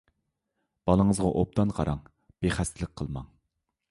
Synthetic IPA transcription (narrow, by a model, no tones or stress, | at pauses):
b̥ɑlˠəŋəzʁɑʔop̚t̪ɑnqʰɑ̰ɾɑŋ | b̥eχæst̪ɪləq̚qʰːəlˠmɑ̰ŋ